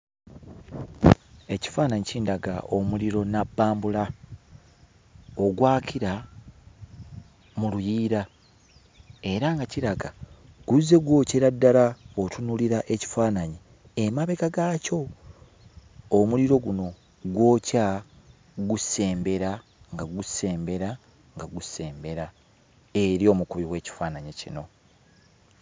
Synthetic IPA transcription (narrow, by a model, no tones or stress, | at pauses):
e̞ci̥faːnaɲiciːndaɡa̰ʔo̞muliɾo̞nabːaːmbula | o̞ɡwaːkʰiɾa | mulujiːɾa | e̞ɾaŋɡaciɾaɡa | ɡ̥uze̞ɡwo̞ːceɾadːalaotunuliɾaʔeci̥faːnaɲe | emaβe̞kaɡaːco̞ | muliɾo̞ɡuno̞ | ɡwo̞ːca | ɡuse̞ːmbe̞ɾaŋɡaɡuse̞ːmbe̞ɾa | ŋɡaɡuse̞ːmbe̞ɾa | e̞ɾjo̞ːmukuβiwe̞ːci̥faːnaɲecḭno̞̰